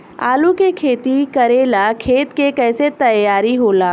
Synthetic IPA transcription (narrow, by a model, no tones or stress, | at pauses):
a̰ːlukekʰeːt̪ikɐɾeːlakʰeːt̪kekɛːset̪ɐjjaːɾiɦoːlaː